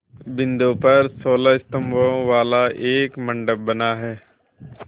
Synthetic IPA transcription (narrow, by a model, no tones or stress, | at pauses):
bɪ̃nd̪oːpɐɾsoːlaːɪst̪əmʋoʋaːlaːʔeːkmə̃ɳɖəp̚bənaːɦɛː